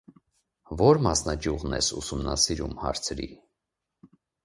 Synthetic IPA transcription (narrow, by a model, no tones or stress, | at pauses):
vɔɾmɑsnɑd͡ʒjuʁnɛ̰susumnɑsiɾumhɑ̰ɾt͡sʰɾḭ